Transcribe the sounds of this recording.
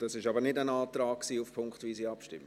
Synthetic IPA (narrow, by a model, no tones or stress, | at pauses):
d̥ɑsɪʃɑbəɾnɪdənaːtɾaːk̚ksiːufpʰʊŋkχtviːsiːɑpʃtɪ̰mːə